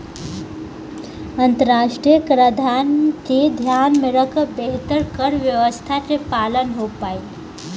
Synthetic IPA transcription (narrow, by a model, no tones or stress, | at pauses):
ə̃nt̪əɾaːʂʈɾijəkɾəd̪ʱaːnked̪ʱjaːnmeɾəkbeɦt̪əɾkəɾʋjəʋəst̪ʰat͡ʃepaːlənɦopaːi